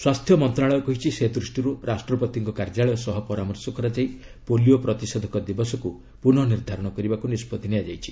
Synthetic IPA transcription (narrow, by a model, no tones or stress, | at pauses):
swast̪ʰjɔmɔnt̪ɾaɭɔjɔkɔɦit͡ʃʰised̪ɾusʈiɾuɾʔasʈɾɔpɔt̪iŋkɔkaɾd͡ʒaɭɔjɔsɔɦɔpɔɾamɔɾsɔkɔɾad͡ʒaj | poliopɾɔt̪isɔd̪ʱɔkɔd̪ibɔsɔku | punɔniɾd̪ʱaɾɔɽ̃ɔkɔɾibakunispɔd̪ʱiniad͡ʒajt͡ʃʰi̥